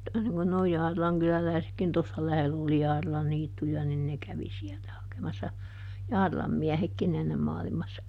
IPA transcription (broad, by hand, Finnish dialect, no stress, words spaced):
niŋ kun noi jɑːrilɑŋ kylælæˑi̯sekːin tosːɑ læhelː oli jɑːrilɑn niːtːujɑ nin ne kæʋi siɛltæ hɑkemɑsːɑ jɑːrilɑm miæhekːin enːem mɑːlimɑsːɑ